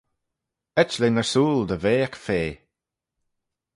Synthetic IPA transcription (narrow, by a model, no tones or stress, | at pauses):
ɛt͡ʃlenəɹsuːld̪əveːakfeː